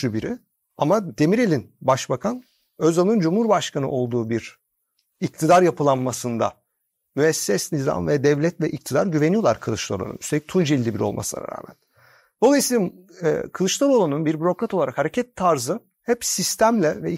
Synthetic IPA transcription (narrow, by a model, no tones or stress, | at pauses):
ybiɾi | amad̪̥emiɾe̞lʲinbaʃbakʰan | øzalˠnɯnd͡ʒumhuɾbaʃkʰanɯ̰ʔo̞lˠd̪uːbiɾ̥ | ict̪ʰid̪aɾjapʰɯlˠanmasɯnd̪a̰ | myɛsːɛsniza̰mvɛd̪ɛvlʲɛt̪vɛʔic̚t̪ʰid̪aɾɟyve̞nijo̞lˠaɾkʰɯlˠɯʃlˠa̰ɾˠo̰ṵnyst̪eict̪ʰund͡ʒilʲːibiɾolˠmʔa̰sɯlˠa̰a̰ɾa̰ːmæ̰n | d̪̥o̞lˠajɯsij̪a̰ | kʰɯlˠɯʃlˠaɾolˠanunbiɾbyɾo̞kɾat̪olˠaɾakhaɾecʰɛt̪ʰːaɾzɯ | hɛpsist̪ʰæmlʲɛvɛ